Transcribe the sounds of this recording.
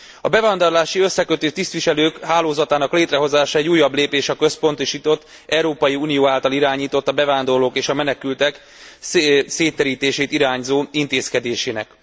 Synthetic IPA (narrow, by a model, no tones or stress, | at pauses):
ɒbɛvaːnd̪o̞rlaːʃiø̞sːɛkøt̪øːt̪ist̪ʋiʃɛløːkhaːloːzɒt̪aːnɒkleːt̪rɛɦo̞zaːʃɔɛɟuːjːɒbleːpeːʃɒkø̞spo̞nt̪oʃiːt̪o̞t̪ː | ʔɛɾoːpɒjiuːnijoːaːlt̪ɒliɾaːɲiːt̪o̞t̪ːɒbɛvaːnd̪o̞rloːkeːʃɒmɛnɛkylt̪ɛk | seːt̪ːɛɾiːt̪eːʃeːt̪iɾaːɲzoːint̪eːskɛd̪eːʃeːnɛk